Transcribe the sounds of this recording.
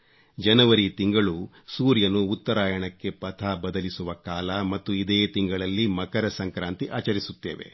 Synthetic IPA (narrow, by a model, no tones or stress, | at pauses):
d͡ʒɐnɐʋɐɾit̪iŋɡɐɭu | suːɾjɐnuːt̪ːɐɾaːjɐɳɐkːe̞pɐt̪ʰaːbɐd̪ɐlisuʋɐkaːlɐmɐt̪ːuid̪eːt̪iŋɡɐɭɐlːimɐkɐɾɐsɐŋkɾaːnt̪iʔaːt͡ʃɐɾisut̪ːeːʋe̞̰